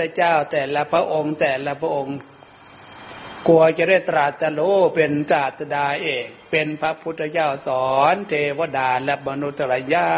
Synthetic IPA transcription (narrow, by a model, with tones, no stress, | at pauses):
t̪ʰːa˧t͡ɕaː˥˩wt̪ɛː˨˩la˦˧pʰɾa˦˥ʔo˧ŋt̪ɛː˨˩la˦˧pʰɾa˦ʔo˧ŋ | ku˧ɐt͡ɕa˧˩da˥˩jt̪ɾaː˨˩t̪ːa˧loː˧˥pe˧nsaː˨˩t̪ʰːa˧daː˧ʔeː˨˩k̚pe˧npʰa˦˥pʰu˦˥t̪ʰːa˧t͡ɕaː˥˩wsɔː˨˩˦nt̪ʰeː˧wa˧˦daː˧lɛ˦˥ma˧nu˦˥t̪ʰːa˧la˧jaː˥˩